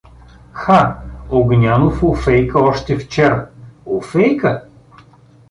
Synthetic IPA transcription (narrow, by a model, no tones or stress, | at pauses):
xaoɡnʲanofofɛjkəɔʃt̪ɛft͡ʃɛɾəofɛjkə